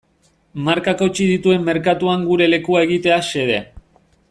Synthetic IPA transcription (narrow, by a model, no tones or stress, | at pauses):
maɾkako̞t͡ʃið̞it̪ue̞mːe̞ɾkat̪uaŋɡuɾe̞le̞kuae̞ɣ̞it̪e̞ase̞ðe̞